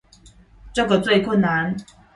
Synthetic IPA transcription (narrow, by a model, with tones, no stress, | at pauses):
ʈ͡ʂɤ˥˩ɡə˩t͡swe˥˧ɪkʰʊ˥˨nːa˧˦n